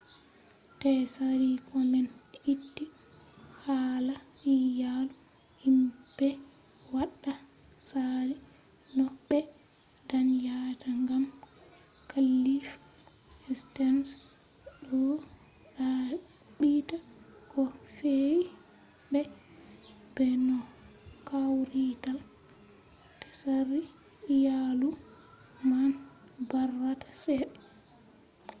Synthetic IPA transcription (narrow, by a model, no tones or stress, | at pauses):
tɛsaɾikʰɔmɛnitːi | hala | ijalu | himbɛ | waɗːa | saɾi | nɔɓːɛ | danjataŋɡam | kʰalːif | ɛstɛns | ɗɔ | ɗa | ɓitakɔfe | bɛ | b̥ɛnɔ | kawɾital | tḁsaɾi | jalu | man | barːatḁsɛɗ